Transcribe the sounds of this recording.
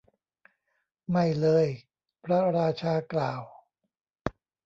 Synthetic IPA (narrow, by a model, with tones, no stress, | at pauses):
ma˥˩jlɤː˧j | pʰɾa˦˥ɾaː˧t͡ɕʰaː˧klaː˨˩w